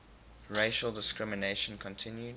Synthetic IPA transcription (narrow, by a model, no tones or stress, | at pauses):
ɹeɪʃəlˠdɪskɹɪməneɪʃə̃nkʰɔ̃ntʰɪ̃njud